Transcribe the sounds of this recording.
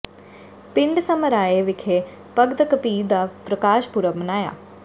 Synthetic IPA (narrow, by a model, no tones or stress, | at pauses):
piɳɖsɐmɐɾaːjeːʋikʰeː | pɐɡd̪ɐkɐpiːd̪aːpɾɐkaːʃpuɾɐmnaːja̰